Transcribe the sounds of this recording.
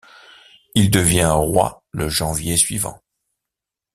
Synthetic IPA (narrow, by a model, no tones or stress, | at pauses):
ild̪əvjɛ̃ʁwa̰ | ləʒɑ̃vjesɥivɑ̰̃